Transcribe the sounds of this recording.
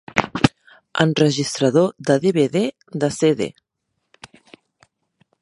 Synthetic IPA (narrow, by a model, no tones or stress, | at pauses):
ə̰nrəʒist̪ɾəðoðəðeβeðe | ðəseðḛ